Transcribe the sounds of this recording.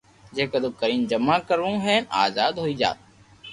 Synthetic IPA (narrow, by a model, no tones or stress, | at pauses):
d͡ʒeːkəd̪ʊb̚kəɾiːnd͡ʒəmːaːkəɾʋũːɦɛːnaːzaːd̪ɦoːiːd͡ʒa̰ːt̪̚